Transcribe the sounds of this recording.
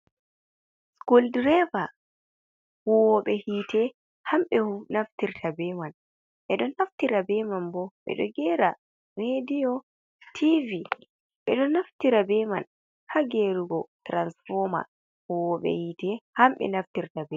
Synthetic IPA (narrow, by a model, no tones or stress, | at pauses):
skuldɾɛva | huɔwɔɓɛhiːtʰɛ | hamɓɛnaftiɾtʰabɛman | ɓɛɗɔnaftiɾabɛmanbɔɓɛ̰ɗɔ̰ɡɛɾa | ɾedijɔ | tʰivi | ɓɛɗɔnaftiɾabɛman | haɡeɾuɡɔtɾansfɔma̰ | huwɔɓɛ̰hitɛhamɓɛ̰naftiɾtabɛ